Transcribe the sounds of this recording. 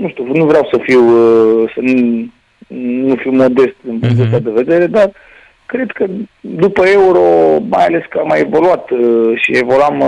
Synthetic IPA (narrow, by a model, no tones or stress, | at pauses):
nuʃt̪unuvɾeawsəfiwsənu | nufiwmo̞d̪e̞st̪d̪ɨmpuŋk̪t̪ast̪ad̪e̞ve̞d̪e̞ɾe̞d̪ar | kɾe̞d̪kəd̪upəe̞uɾ̞o̞majale̞skəamajevo̞luat̪ʃievo̞luam